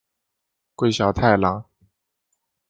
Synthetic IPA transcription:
kwe˥˩ɪɕjɑ˨˩ʊt̪ʰa˥˩ɪlɑ˧˥ŋ

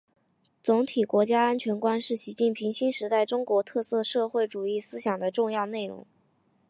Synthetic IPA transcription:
t͡sʊ˧˥ŋt̪ʰi˨˩kwɔ˧˥t͡ɕja˥a˥nt͡ɕʰɥɛ˧˥nkwa˥nʂɻ̩˥˩ɕi˧˥t͡ɕi˥˩npʰi˧˥ŋɕi˥nʂɻ̩˧˥t̪a˥˩ɪʈ͡ʂʊ˥ŋkwɔ˧˥t̪ʰɤ˥˧sɤ˥˧ʂɤ˥˧xwe˥˩ɪʈ͡ʂu˨˩i˥˩sɹ̩˥ɕjɑ˨˩ŋd̪ə˦ʈ͡ʂʊ˥˧ŋjɑ˥˧ʊne˥˩ɪɻʊ̰˧˥ŋ

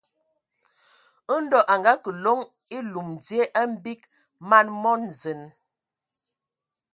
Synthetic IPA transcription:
ə˦n̩˦dɔ˦ʔa˨ŋɡa˦kə˨lo˦ŋ | i˦lu˨m˨d͡zi˦e˦ʔa˦m̩˦bi˦k̚ | ma˦˨nmɔ˦n˨zə˨n

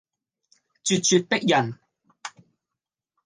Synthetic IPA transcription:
t͡sy˨t̚t͡ɕy˨t̚pe˥k̚jɐ˨˩n

